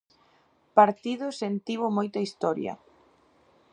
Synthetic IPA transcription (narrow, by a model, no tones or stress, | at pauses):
paɾt̪iðʊsent̪iβʊmojt̪ɐist̪ɔɾjɐ̰